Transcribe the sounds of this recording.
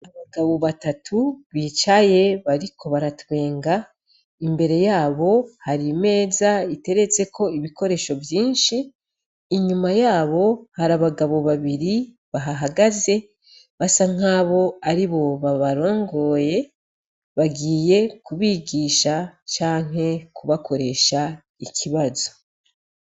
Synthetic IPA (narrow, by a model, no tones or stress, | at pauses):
aβaɡaβoβatatʰuβiːt͡ʃaje̞βaɾikʰo̞βaɾatwe̞ːŋɡa | imbe̞ɾe̞jaːβo̞haɾime̞ːzaite̞ɾe̞t͡se̞kʰo̞iβiko̞ɾe̞ːʃo̞vjiːnʃiː | ɲumajaːβo̞haɾaβaɡaβo̞βaβiɾi | βaɦaɦaɡaze̞ | βasaŋ̥aːβo̞aɾiβo̞βaβaɾo̞ːŋɡo̞ːje̞ | βaɡiːje̞kuβiɡiːʃat͡ʃaːŋ̥ɦe̞kuβakʰo̞ɾe̞ʃa | icʰiβazo̞̥